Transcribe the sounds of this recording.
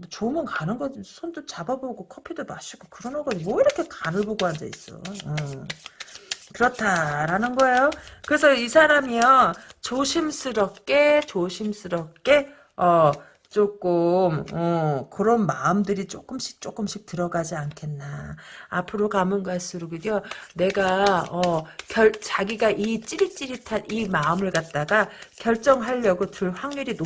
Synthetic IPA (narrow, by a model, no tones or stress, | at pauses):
ot͡ɕomɯnkanɯnɡʌd͡ʑisʰondot͡ɕababoɡokʰʌpʰidomaɕ͈ʰiɡokɯɾʌnɯɡʌd͡ʑimwʌiɾʌkʰe̞kanɯɭboɡoɦandeis͈ʌ̰jʌ | kɯɾʌtʰaɾanɯnɡʌe̞jokɯɾe̞s̬ʰʌisʰaɾamiʌt͡ɕoɕʰimsʰɯɾʌp̚k͈e̞t͡ɕoɕʰims͈ʰɯɾʌp̚k͈e̞ | ʌ | t͡ɕ͈ok͈ɯmʌkɯɾʌnmaɯmdɯɾit͡ɕ͈ok͈ɯmɕʰi̥k̚t͡ɕ͈ok͈ɯmɕʰik̚tɯɾʌɡad͡ʑiankʰe̞nːaː | pʰɯɾokamɯnɡas͈ʰɯɾoɡɯdijʌne̞ɡaʌkjʌɭt͡ɕaɡiɡaʔit͡ɕ͈iɾit͡ɕ͈iɾitʰanimaɯmɯɭkat̚t͈aɡakjʌɭt͡ɕ͈ʌŋɦaʎːʌɡotɯɭɸwaŋɲiɾin